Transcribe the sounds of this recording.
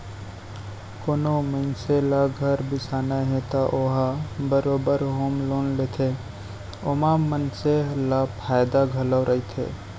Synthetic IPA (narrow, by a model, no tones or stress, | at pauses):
koːnomənselaɡʱəɾbɪsaːnaɦẽt̪aʔoɦabəɾoːbəɾɦoːmloːnlet̪ʰe | omamənselapʰaːjd̪aɡʱələwɾʔəit̪ʰḛː